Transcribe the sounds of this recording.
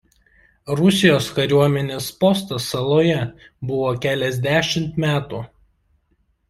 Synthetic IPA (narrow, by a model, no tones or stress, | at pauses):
ɾʊsʲɪjoːskɐɾʲuɔmʲɛnʲeːspɔst̪ɐsɐlˠoːjɛ | bʊʋoːkʲæːlʲɛzʲd̪ʲæːʃʲɪmt̪mʲæːt̪ṵː